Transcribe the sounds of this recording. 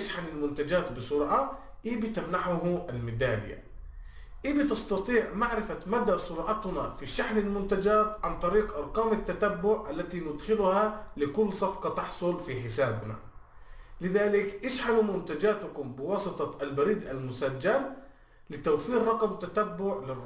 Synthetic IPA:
ʔɪʃħanɪlmʊnt̪ad͡ʒaːt̪bɨsʊɾˤʕa | ʔiːbɪt̪amnaħʊɦʔalmɪd̪aːlɪ̰jːa̰ | ʔiːbɪt̪ɪst̪ɑt̪ˤiːʕmaʕɾɪfamad̪asˤʊɾˤʕɑt̪nafiʃaħnalmʊnt̪ad͡ʒaːt̪ʕant̪ˤɑɾiːqʔɑɾˤqɑːmat̪ːat̪abːʊʕʔalːat̪inʊd̪xɪlʊhalɪkʊlːsˤɑfqɑt̪ɑħsˤʊlfiħɪsaːbna̰ | lɪðaːlɪkʔɪʃħanumʊnt̪ad͡ʒaːt̪ʊkʊmbɪwɑːsˤɨt̪ˤɑʔalbaɾiːd̪ʔalmʊsad͡ʒːal | lɪt̪awfiːɾrˤɑqmt̪ːat̪abːʊʕlɪ

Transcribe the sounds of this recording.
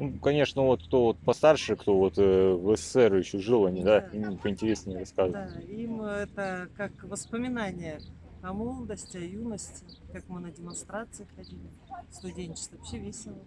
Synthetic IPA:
nukɐnʲe̞ʂnəvo̞t̪̚kt̪o̞vot̪̚pɐst̪arʂɨkt̪o̞vo̞t̪əvəsə̥sɛrjɪɕːoʐɨlˠɐnʲid̪ainʲipəɪnʲtʲɪɾʲesʲnʲɪʊɾɐskazəvəimɛt̪əkakvəspəmʲɪnanʲɪjə | ɐmolˠəd̪əsʲtʲɪɐjunəsʲtʲɪ | kakmɨnədʲɪmɐnst̪ɾat̪sɨɪxɐdʲilʲɪ | st̪ʊdʲenʲt͡ɕɪ̥st̪ɐfsʲevʲesʲɪlˠə

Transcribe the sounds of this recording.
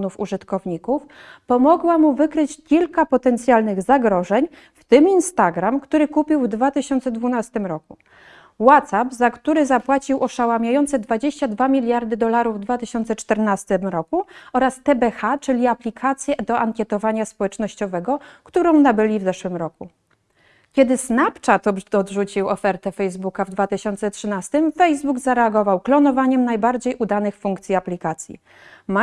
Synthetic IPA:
nufṵʐɘt̪kɔvɲikufpɔmɔɡwamuvɘkɾɘt͡ɕkʲilkapɔt̪ɛnt̪sʲjalnɘɣzaɡɾɔʐɛɲ | ft̪ɘminst̪aɡɾamkt̪uɾɘkupʲiwvd̪vat̪ɘɕɔnt̪sɛd̪vunast̪ɘmɾɔku | wat̪sapzakt̪uɾɘzapwat͡ɕiwʔɔʂawamʲjajɔnt̪sɛd̪vad͡ʑeɕt͡ɕad̪vamʲilʲjaɾd̪ɘd̪ɔlaɾuvd̪vat̪ɘɕɔnt̪sɛt͡ʂt̪ɛɾnast̪ɘmɾɔkuɔɾast̪ɛbɛxat͡ʂɘlʲiaplʲikʰat̪sʲjɛd̪ɔʔaŋkʲjɛt̪ɔvaɲaspɔwɛt͡ʂnɔɕt͡ɕɔvɛɡɔkt̪uɾɔ̃w̃nabɘlʲivzɛʂwɘmɾɔku | kʲjɛd̪ɘsnapt͡ʂat̪ɔɔd̪ʐut͡ɕiwɔfɛɾt̪ɛfɛjzbukavd̪vat̪ɘɕɔnt̪sɛtʂɘnast̪ɘmfɛjzbuɡzaɾɛaɡɔvawklɔnɔvaɲɛmnajbaɾd͡ʑejʔud̪anɘxfuŋkt̪sʲjiaplʲikat̪sʲjḭ | ma

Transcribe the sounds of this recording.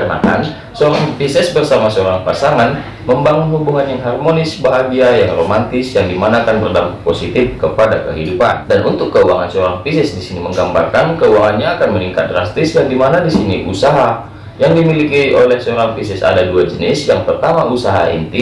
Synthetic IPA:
arna̰ka̰n | səoɾaŋpisɛsbərsamasəoɾaŋpasaŋan | məmbaŋʊnhubuɦanjaŋɦarmonɪsbaɦaɡiajaŋromant̪ɪsjaŋdimanaːkanbərdapat̪̚posit̪ɪfkəpadakə̰ɦidupa̰ndanʔunt̪ʊkːəua̰ŋansəoɾaŋpisɛsdisiniməŋɡamba̰rkankəuaŋanɲaːkanməniŋkat̪̚dɾast̪ɪsjaŋdimanadisiniʔusaɦa | jaŋdimilikiolɛhsəoɾaŋpisɛsa̰daduad͡ʒənɪsjaŋpərt̪amaʔusaɦa̰ḭnt̪i

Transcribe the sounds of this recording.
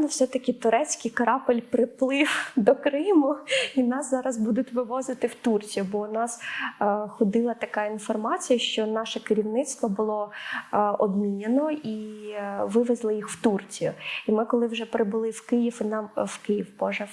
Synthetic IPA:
nʊwsɛt̪ɐkʲɪt̪ʊɾɛt͡sʲkɪjkɐɾɑpɪlʲpɾɪplˠɪwd̪ɔkɾɪmʊinɑszɑɾɐzbud̪ʊtʲʋɪʋɔzɪt̪ɪwt̪urt͡sʲijʊbɔnɑs | xɔd̪ɪlˠɐt̪ɐkɑinfɔrmɑt͡sʲijɐʃt͡ʃɔnɑʃɛkɪɾʲiwnɪt̪st̪ʋɔbʊlˠɔ | ɔbmʲinʲenɔi | ʋɪʋɛzlˠɪjixwt̪urt͡sʲijʊimɪkɔlˠɪwʒɛpɾɪbʊlˠɪwkɪjifinɑmwkɪjiwbɔʒɛ

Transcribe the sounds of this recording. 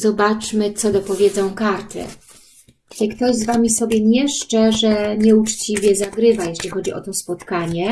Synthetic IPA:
zɔbat͡ʂmɘt̪sɔd̪ɔpɔvʲjɛd̪zɔ̃w̃kaɾt̪ɘ̰ | tɛkt̪ɔʑzvamʲisɔbʲjɛɲɛʂt͡ʂɛʐɛɲɛut͡ʂt͡ɕivʲjɛzaɡɾɘvajɛɕlʲixɔd͡ʑiʔɔ̰t̪ɔspɔt̪kaɲɛ

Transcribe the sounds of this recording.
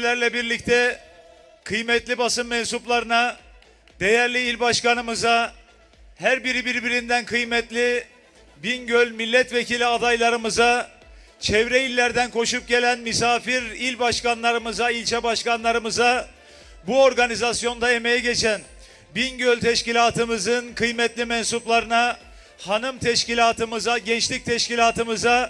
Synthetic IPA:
lʲæɾlʲɛbiɾlʲic̚t̪ʰɛ | kʰɯjmɛt̪lʲibasɯmmɛnsuplˠaɾɯna | d̪̥e̞jæɾlʲiilʲbaʃkanɯmɯza | hæɾbiɾibiɾbiɾind̪ænkʰɯjmɛt̪lʲi | binɟølʲmilʲːɛt̪ve̞cʰilʲiad̪ajlˠaɾɯmɯza | t͡ʃʰɛvɾɛilʲːæɾd̪ænkʰo̞ʃup̚ɟe̞lʲænmysaːfiɾilʲbaʃkanlˠaɾɯmɯzailʲt͡ʃʰɛbaʃkanlˠaɾɯmɯza | buo̞ɾɡanizasjo̞nd̪ae̞me̞jɛɟet͡ʃʰæn | binɟølʲt̪ʰɛʃcilʲaːt̪ʰɯmɯzɯnkʰɯjmɛt̪lʲimɛnsuplˠaɾɯna | hanɯmt̪ʰɛʃcilʲaːt̪ʰɯmɯzaɟɛnt͡ʃlʲic̚t̪ʰɛʃcilʲaːt̪ʰɯmɯza

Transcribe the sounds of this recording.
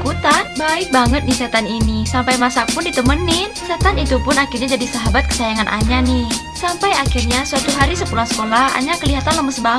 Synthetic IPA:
kut̪abaɪk̚baŋət̪̚disɛt̪aninisampajmasapʊndit̪əmənːɪhsɛt̪anit̪upʊnakɪrɲad͡ʒadisaɦabat̪̚kə̥sajaŋanʔa̰ɲanɪh | sampajakɪrɲasuat̪uɦaɾisəkulahsə̥kolaha̰ɲakəliɦat̪anləməsba

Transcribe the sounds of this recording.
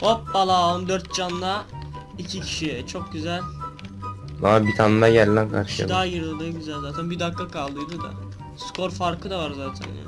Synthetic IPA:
opbalˠaond̪øɾt̪̚d͡ʒanlˠa | icʰicʰi̥ʃiɛt͡ʃʰo̞k̚ɟyzælʲ | amabit̪ʰanɯd̪ajæɾlænkʰa̰ɾʃɯja̰d̪aajɯɾolˠajɯɟyzælʲzaːt̪ʰænbid̪akːakʰalˠɯjd̪ud̪a̰ | skʰo̞ɾfaɾkʰɯd̪avaɾzaːt̪ʰæ̰nja̰

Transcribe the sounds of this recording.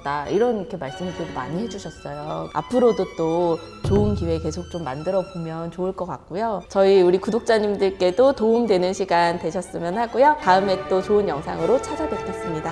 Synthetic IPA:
t͈aiɾʌnkʰemaɭs͈ɯmididoma̰ɲiɦe̞d͡ʑuɕʰʌs͈ʌjoa̰pʰɯɾodot͈o | t͡ɕoɯnkiwe̞ke̞sʰok̚t͡ɕ͈omːa̰ndɯɾʌbomjʌnt͡ɕoɯɭk͈ʌk͈ak̚k͈ujot͡ɕʌiuɾikudok̚t͡ɕ͈aɲimdɯɭk͈e̞dotoɯmdwe̞nɯnɕʰiɡantwe̞ɕʰʌs͈ɯmjʌnhaɡujotaɯme̞t͈ot͡ɕoɯnjʌŋsʰa̰ŋɯɾot͡ɕʰad͡ʑabʌtʰʌs͈ɯmɲida

